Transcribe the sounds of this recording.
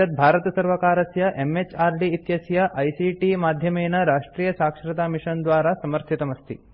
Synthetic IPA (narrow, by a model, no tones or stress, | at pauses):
ɐt̪̚bʱaːɾɐt̪ɐsɐɾʋɐkaːɾɐsjɐʔemet͡ʃaːɾɖiːt̪jɐsjɐʔɐjsiʈimaːd̪ʱjɐmeːnɐɾaːʂʈɾiːjɐsaːkʂɾɐt̪aːmiʂɐnd̪ʋaːɾasɐmɐɾt̪ʰit̪ɐmɐst̪ʰḭ